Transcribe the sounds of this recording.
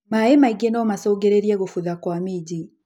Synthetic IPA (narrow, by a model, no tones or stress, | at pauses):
maemaiɡenɔmasɔɡeɾeɾiɛɣofuðakwamid͡ʑi